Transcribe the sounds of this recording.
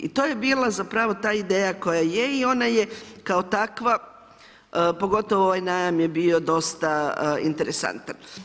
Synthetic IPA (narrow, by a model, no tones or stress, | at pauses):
ḭt̪o̞ːjebiːlazapɾaʋo̞t̪aːid̪eːjako̞jajeio̞naje̞kao̞t̪akʋa | po̞ɡo̞t̪oʋooʋajnaːjamje̞bio̞d̪o̞st̪aḭnt̪e̞ɾesa̰nt̪an